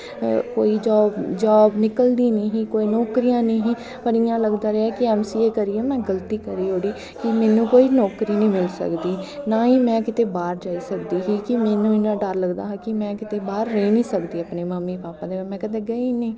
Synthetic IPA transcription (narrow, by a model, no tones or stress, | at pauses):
koːiːd͡ʒɔːbd͡ʒaːbnɪkəld̪iːnə̃ːɦĩːkoːiːnɔːkɾijãːnĩːɦĩː | pəɾɪjãːləɡd̪aːɾɛaɛːkɪɛːmsiːeːkəɾiːɛːmɛ̃ːɡəlt̪iːkəɾiːɦoːɽiː | kɪmɛːnũːkoːiːnɔːkɾiːnĩːmɪlsə̰kd̪iːnaːiːmɛ̃ːkɪt̪eːbaːɾd͡ʒaːiːsəkd̪iːɦiːkɪmɛːnũːɪnãːɖəɾləɡd̪a̰ːɦkɪmɛ̃ːkɪt̪eːbaːɾːeːnĩːsəkd̪iːaːpneːməmːiːpaːpaːd̪eːʋmɛ̃ːkəd̪ɛ̃ːɡəiːneː